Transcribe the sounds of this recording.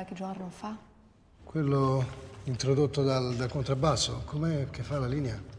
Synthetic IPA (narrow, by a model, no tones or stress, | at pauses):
alked͡ʒoɾnofa | kwelːoint̪ɾod̪ot̪ːod̪ald̪alkont̪ɾabːasːo̰kʰomɛkːefːalaliːnea